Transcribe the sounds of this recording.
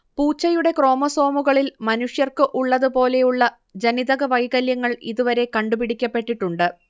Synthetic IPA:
puːt͡ɕːɐjuɽe̞kro̞ːmɐso̞ːmuɣɐɭilmɐnuʂjɐrkɨʔuɭːɐðupo̞ːle̞juɭːɐ | d͡ʑɐniðɐɣɐʋɐjɣɐljɐŋːɐɭḭðuʋɐɾe̞kɐɳɖupiɽikʲːɐpːe̞ʈːiʈːuɳɖɨ

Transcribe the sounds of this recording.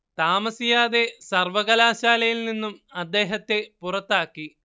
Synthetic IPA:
t̪aːmɐsijaːðe̞sɐrʋɐɣɐlaːɕaːlɐjilninːumɐd̪ːe̞ːɦɐt̪ːe̞purɐt̪ːaːkːi

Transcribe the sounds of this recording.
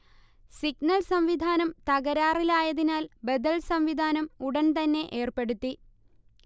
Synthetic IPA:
siɡnɐɭsɐmʋid̪ʱaːnɐmt̪ɐɣɐɾaːrilaːjɐðinaːlbed̪ɐlsɐmʋid̪ʱaːnɐmuɽɐnt̪ɐnːe̞ʔe̞ːrpe̞ɽut̪ːi

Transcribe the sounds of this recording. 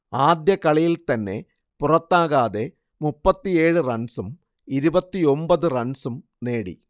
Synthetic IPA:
aːd̪jɐkɐɭijilt̪ɐnːe̞ | purɐt̪ːaːɣaːðe̞ | mupːɐt̪ːie̞ːɻɨrɐɳsum | iɾubɐt̪ːio̞mbɐðɨrɐɳsum | neːɽḭ

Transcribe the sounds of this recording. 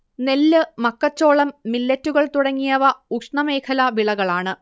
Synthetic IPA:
ne̞lːɨmɐkːɐt͡ɕːo̞ːɭɐmːilːɐtːuɣɐɭt̪uɽɐŋːijɐʋɐukʂɳɐmeːkʰɐlɐʋiɭɐɣɐɭaːɳɨ

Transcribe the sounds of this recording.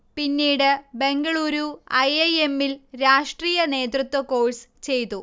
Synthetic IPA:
pinːiːɽɨbe̞ŋɡɐɭuːɾuɐjɐje̞mːilɾaːʂʈriːjɐne̞ːd̪rut̪ːwɐko̞ːɻst͡ɕe̞jt̪ːu

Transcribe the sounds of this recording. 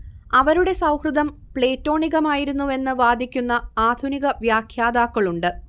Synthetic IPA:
ɐʋɐɾuɽe̞sɐwhrɨd̪ɐm | pɭe̞ːtːo̞ːɳiɣɐmaːjiɾunːue̞nːɨʋaːd̪ʱikʲːunːɐaːd̪ʱuniɣɐʋjaːkʰjaːd̪aːkːɐɭuɳɖɨ

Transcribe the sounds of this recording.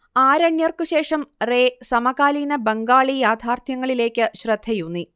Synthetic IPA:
aːɾɐɳjɐrkɨɕe̞ːʂɐmreːsɐmɐɣaːliːnɐbɐŋɡaːɭijaːd̪ʰʱaːrt̪ʰjɐŋːɐɭile̞ːkʲːɨɕrɐd̪̥ʱɐjunːi

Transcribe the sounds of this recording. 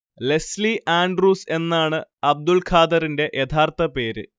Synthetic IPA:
le̞sliʔaːɳɖruːse̞nːaːɳɨɐb̚d̪ulkʰaːd̪ɐɾinde̞ʔjet̪ʰaːrt̪ɐpe̞ːɾɨ̰

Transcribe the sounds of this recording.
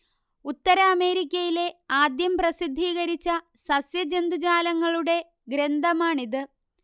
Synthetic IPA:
ut̪ːɐɾɐːme̞ːɾikʲːɐjile̞aːd̪jɐmprɐsid̪ʱːiːɣɐɾit͡ɕːɐsɐsjɐd͡ʑe̞nd̪ud͡ʑaːlɐŋːɐɭuɽe̞ | ɡɾe̞nd̪ʱɐmaːɳiðɨ

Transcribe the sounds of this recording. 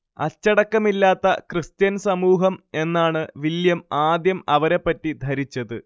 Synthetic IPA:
ɐt͡ɕːɐɽɐkːɐmilːaːt̪ːɐkrɨst̪jɐnsɐmuːɦɐme̞nːaːɳɨʋiljɐmaːd̪jɐmɐʋɐɾepːɐtːid̪ʱɐɾit͡ɕːɐðɨ

